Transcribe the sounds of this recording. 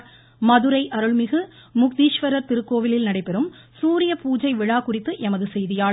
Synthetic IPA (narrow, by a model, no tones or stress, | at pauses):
mɐðɯɾɐɪʔɐɾɯɭmɪɣɯmʊk̚d̪iːʃʋɐɾɐɾt̪ɪɾɯkːoːʋɪlɪlnɐɽɐɪpːɛɾɯmsuːɾɪjɐpuːd͡ʒɐɪʋɪɻaːkʊrɪt̪ːɯʔɛmɐðɯsɛjðɪjaːɭ